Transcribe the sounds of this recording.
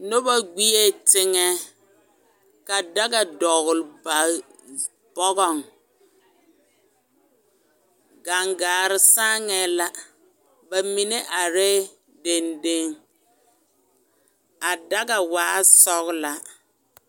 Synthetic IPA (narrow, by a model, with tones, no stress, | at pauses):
no˦ba˦ɡ͡bi˦e˦tɪ˦ŋɛ˦ | ka˨da˦ɡa˨dɔ˨ɣʊ˨lba˨ | b̥ɔ˦ɣɔ˨ŋ | ɡa˨ŋɡaː˨ɾɪ˨sa˦ŋɛ˦la˦ | ba˨mi˨ne˦ʔa˨ɾɛ˦ | de˨nde˦ŋ | a˨da˦ɡa˨waː˨˦sɔ˦ɣla˨